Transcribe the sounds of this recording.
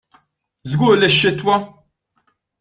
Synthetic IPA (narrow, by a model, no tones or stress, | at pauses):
zɡuːɾlɪʃːɪt̪wɐ